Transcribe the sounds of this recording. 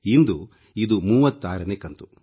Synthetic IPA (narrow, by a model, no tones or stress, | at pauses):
ind̪u | id̪umuːʋɐt̪ːaːɾɐneːkɐnt̪u